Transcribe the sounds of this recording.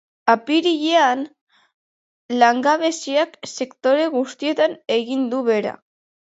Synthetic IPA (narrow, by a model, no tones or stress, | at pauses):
apiɾiʎean | laŋɡaβe̞siakse̞kt̪o̞ɾe̞ɣust̪ie̞t̪ane̞ɣind̪uβe̞ɾa̰